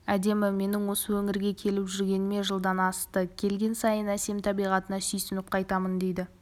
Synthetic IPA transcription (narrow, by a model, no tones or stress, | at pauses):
æd̪e̞mɪme̞nɪŋwo̞səwɵŋɪɾɡʲe̞kʲʰe̞lɪpʒʏɾɡʲe̞nɪme̞ʒəlˠd̪ɑnɑst̪əkʲʰe̞lɡʲe̞nsɑjənæse̞mt̪ʰɑbijʁɑt̪ənɑsʏjsɪnɪp̚qʰɑjt̪ɑmənd̪e̞jd̪ɪ